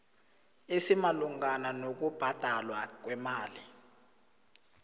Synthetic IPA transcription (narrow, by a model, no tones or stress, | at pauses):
esimaluŋananok̬ub̥ʱad̥ʱalwak̬wɛmaːli